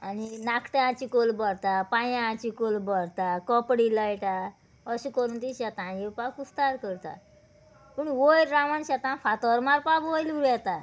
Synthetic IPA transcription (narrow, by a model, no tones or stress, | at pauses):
aninakʰʈeãt͡ɕikolbɔɾt̪apãjããt͡ɕikolbɔɾt̪akɔpɽiləjʈa | əɕikɔɾunt̪iɕat̪ãjepakust̪aɾkəɾt̪a̰ | puɳwojɾːamanɕat̪ãfʰat̪ɔɾmaɾpabojluɾɛt̪a